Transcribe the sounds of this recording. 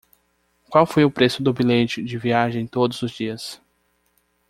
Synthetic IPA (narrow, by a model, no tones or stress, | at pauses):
kwawfojʊpɾesʊd̪ʊbilẽt͡ʃʊd͡ʒɪviaʒɐ̃ẽj̃t̪od̪ʊzʊzd͡ʒiɐs